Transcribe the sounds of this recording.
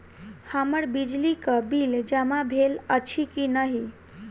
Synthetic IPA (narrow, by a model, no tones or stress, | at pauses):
həməɾbid͡ʒlikəbild͡ʒəmabʱelət͡ʃʰikinəɦi